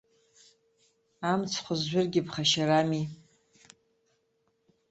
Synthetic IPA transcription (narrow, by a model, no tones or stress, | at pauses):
amt͡sʰχʷʊzːʷʊrɡʲɪpχaʃaɾami